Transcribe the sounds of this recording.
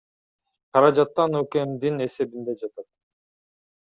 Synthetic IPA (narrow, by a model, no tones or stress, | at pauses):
qʰɑɾɑd͡ʒɑt̪ːɑnøkemd̪ine̞se̞bind̪e̞d͡ʒɑt̪ɑt̪